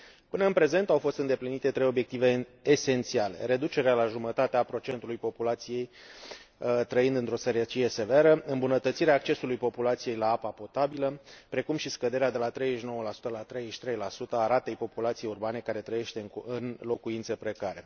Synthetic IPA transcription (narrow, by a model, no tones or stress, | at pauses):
pɨnəɨnpɾe̞ze̞nt̪awfo̞st̪ɨnd̪e̞plinit̪e̞t̪ɾejo̞bje̞k̚t̪ive̞ːse̞nt̪siale̞̰ɾe̞d̪ut͡ʃe̞ɾealaʒumət̪at̪eapɾo̞t͡ʃe̞nt̪ulujpo̞pulat̪sije̞j | t̪ɾəind̪ɨnt̪ɾo̞seɾet͡ʃije̞se̞veɾəɨmbunət̪ət̪siɾeaːkt͡ʃesulujpo̞pulat̪sije̞jlaapapo̞t̪abiləpɾe̞kumʃiskəd̪e̞ɾead̪e̞lat̪ɾe̞jzeʃino̞wəlasu̥t̪əlat̪ɾejzeʃʲt̪ɾe̞jlasut̪əaɾat̪e̞jpo̞pulat̪sijejurbane̞kaɾe̞t̪ɾəje̞ʃt̪e̞ɨnlo̞kuint̪səpɾe̞kaɾe̞